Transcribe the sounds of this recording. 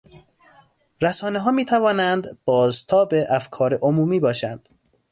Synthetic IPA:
ɾæsɒːneɦɒːmiːt̪ʰævɒːnænd̪b̥ɒːzt̪ʰɒːbeʔæfkʰɒːɾeʔomuːmiːbɒːʃænd̪̥

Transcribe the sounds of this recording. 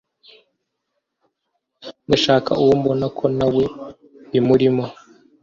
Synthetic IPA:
ndaʃaːkʰa̰uwombonakʰo̞nawe̞ | βimuɾimo

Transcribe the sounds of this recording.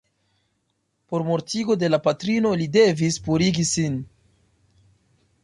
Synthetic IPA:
po̞ɾmo̞ɾtiɡo̞de̞lapatɾino̞lide̞vispuɾiɡisin

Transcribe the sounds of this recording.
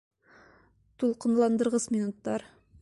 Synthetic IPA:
t̪ulˠqɤ̆nlˠɑnd̪ɤ̆ɾʁɤsmʲinut̪ːɑɾ

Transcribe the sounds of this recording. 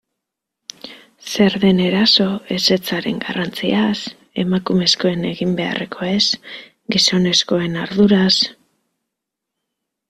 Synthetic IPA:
se̞ɾðe̞ne̞ɾaso̞e̞se̞t͡saɾe̞̰ŋɡarant͡sias | e̞̰makume̞sko̞e̞ne̞ɣimbe̞a̰re̞kʰo̞e̞s | ɡiso̞ne̞sko̞e̞naɾðuɾas

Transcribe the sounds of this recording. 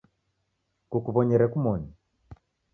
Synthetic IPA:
kukuβɔɲɛɾɛkumɔni

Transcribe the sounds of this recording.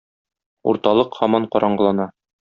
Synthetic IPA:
ṵɾt̪ɑlˠɤqhɒmɑɴqɒɾʔɑɴɢɤ̆lˠɑnɑ

